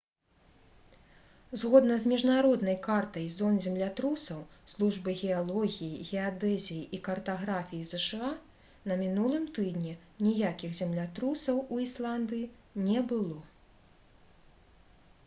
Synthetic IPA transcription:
zɣɔd̪nɐzmʲiʐnaɾɔd̪nɐjkart̪ɐjzɔnzʲɛmlʲat̪ɾusɐwslˠuʐbɨɣʲɛalˠɔɣʲijiɣʲɛad̪ɛzʲijiʔikɐrt̪aɣɾafʲijizɛʂɨa | nɐmʲinulˠɨmt̪ɨd̪nʲi | nʲijakʲiɣzʲɛmlʲat̪ɾusɐwuislˠand̪ɨji | nʲɛbɨlˠɔ

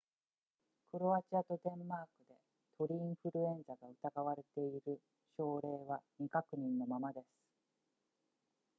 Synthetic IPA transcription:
kɯ̟ɾo̞at͡ɕiat̪o̞d̪ẽ̞mːaːkɯ̟d̪e̞ | t̪ʰo̞ɾʲiĩɰ̃ɸɯ̟ɾɯ̟ẽ̞ñzaɡaɯ̟t̪aɡaβaɾe̞t̪e̞iɾɯ̟ | ɕo̞ːɾe̞ːβaɲʲikakɯ̟ɲ̟ĩnːo̞mamad̪e̞sɨ̥

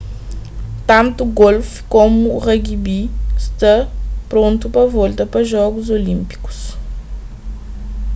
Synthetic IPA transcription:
t̪ɐ̃nt̪uɡolfkomuʁɐɡibist̪ɐpɾõnt̪upɐvɔlt̪ɐpɐʒɔɡuzolĩmpi̥ku̥s

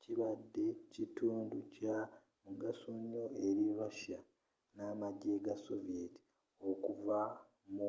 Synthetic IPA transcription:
ciβadːe̞cituːnduca | muɡasuɲoeɾiɾaʃa | namaɟeɡasovieti̥ | o̞kuva | mu

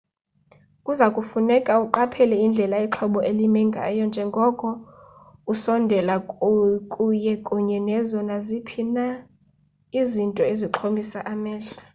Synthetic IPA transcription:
kʼuzakʼufunɛkʼauǃapʰɛlɛind͡ɮʱɛlaɛǁʰɔɓɔelimɛŋɡʱa̰jɔnd͡ʒʱɛŋɡʱɔkʼɔ | usɔndʱɛlakʼujɛkʼuɲɛnɛzɔnazipʰina | izintʼɔeziǃʰomisaʔamɛːɬa

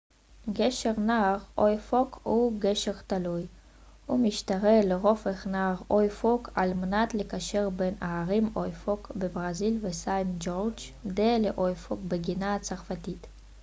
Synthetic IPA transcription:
ɡeʃeʁnaːʁojfokhuɡeʃeʁt̪aluj | humiʃt̪aʁeleʁofeχnaːʁojfokʰalmenat̪lekaʃeʁbenaaʁimojfokbebʁazilvesajmd͡ʒoʁd͡ʒd̪eleʔojfokbeɡinat͡saʁfatit̪

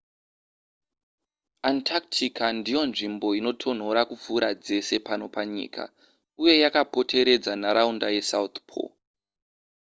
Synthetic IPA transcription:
antʰak̚tʰikandijo̞nʐimbo̞ino̞tʰo̞n̤o̞ɾakup͡fuɾad͡ze̞se̞pano̞paɲḭːkʰa̰ | uje̞jakapo̞tʰe̞ɾe̞d͡zanaɾaundaje̞saut̪pʰo̰

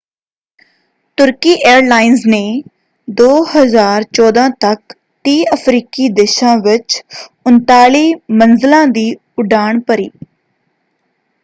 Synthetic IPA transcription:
t̪ʊɾkiːʔeːɾlaːɪnzneː | d̪oːhəzaːɾt͡ʃɔːd̪ãːt̪ək | t̪iːəpʰɾiːkiːd̪eːʃãːʋɪt͡ʃʊnt̪aːliːmənzɪlãːd̪iː | ʊɖaːɳpəɾiː

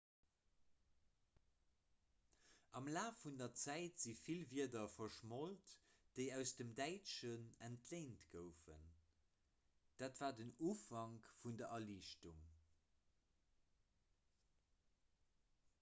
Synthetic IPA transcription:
ʔɑmlaːfundɐt͡sæɪtz̥ifilviɐdɐfɐʃmoltd̥əɪæʊsd̥əmdæɪʃənæntʰleɪntɡəʊfə̰n | d̥aːtv̥aːdənuːfɑŋkfundɐʔɐliːʃtuŋ

